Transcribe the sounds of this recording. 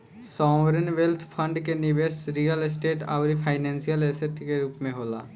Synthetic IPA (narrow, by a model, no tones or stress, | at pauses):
sɔ̃ːʋɾənʋelt̪ʰpʰə̃ɳɖkenɪʋeːsɾijəlɪsʈeːʈa̰ːʋɾipʰaːɪnɛ̃ːnsijəlesəʈikeɾuːpmẽɦoːla̰ː